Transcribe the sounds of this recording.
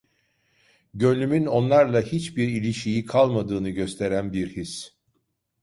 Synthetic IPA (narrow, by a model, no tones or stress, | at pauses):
ɟø̞nymyno̞nlˠaɾlˠahit͡ʃbiɾilʲiʃijikʰalˠmad̪ɯːnɯɟø̞st̪ʰe̞ɾænbiɾhis